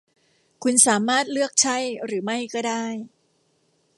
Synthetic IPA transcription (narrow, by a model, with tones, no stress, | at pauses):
kʰu˧nsaː˩˦maː˥˩t̪̚lɯ˥˩ək̚t͡ɕʰa˥˩jɾɯː˩˦ma˥˩jkɔː˥˩daː˥˩j